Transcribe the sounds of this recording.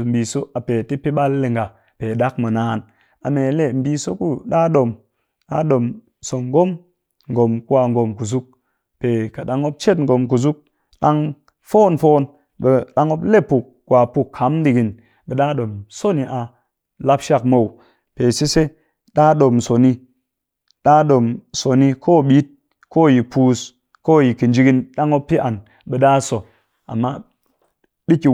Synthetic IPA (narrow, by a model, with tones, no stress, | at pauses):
m̩˨bi˨so˦a˨pe˨ti˦pi˦ɓa˦lːe˨ŋɡa˨ | pe˨ɗa˦kmə˨naː˨n | a̰˨me˨le˦˨m̩˨bi˧so˦ku˦ɗa˦ɗo˨m | ɗa˦ɗo˨m | so˨ŋɡo˦m | ŋɡo˨mku˦wa˨˧ŋɡo˨mku˨zu˦k̚ | pe˨ka˨ɗa˨ŋo˦p̚t͡ʃe˦tŋ̩˨ɡo˨mk̬u˨zu˦k̚ | ɗa˦ŋ | foː˦nfoː˦n | e˨ɗa˧ŋo˦ble˦pu˨k̚ | ɡ̥wa˨pu˧kʰːa˨˦mdi˨ɡi˨n | ɓe˨ɗa˦ɗo˨mso˦ni˨ʔa˧ | la˦pʃa˦˧k̚mo˨w | pe˨si˦se˦ | ɗa˦ɗo˨mso˨ni˧ | ɗa˦ɗo˨mso˨ni˧kʰoː˦˨ɓi˦t̚ | ko˦˨ji˨puː˧s | ko˦˨ji˨ki˨nd͡ʒi˧ɡi˧nɗa˦ŋo˦pːi˦ʔa˨n | ɓe˨ɗaː˦so˨ | a̰˨mːa˦ | ɓi˦ki˨